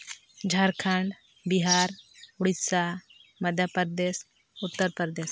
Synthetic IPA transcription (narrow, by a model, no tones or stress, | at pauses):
d͡ʒʱaɾkʰaɳɖ | biɦaɾʊɽisaməd̪ʱjapəɾd̪es | ʊt̪ːəɾpəɾd̪es